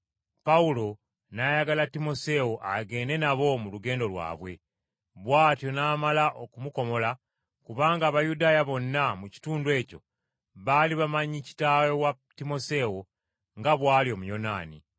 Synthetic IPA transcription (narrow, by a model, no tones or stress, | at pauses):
paulo̞ | najaɡalatimo̞se̞woʔaɡe̞ːne̞naβo̞muluɡe̞ːndo̞lwa̰ːβwe̞ | βwaːtjo̞naːmalaʔo̞kumuko̞mo̞la | kuβaːŋɡaːβajudaːjaβo̞nːamuci̥tuːnduwe̞ːco̞̰ | βaːliβamaɲici̥tajowatimo̞se̞wo | ŋɡaβwaːlio̞mujo̞na̰ːnḭ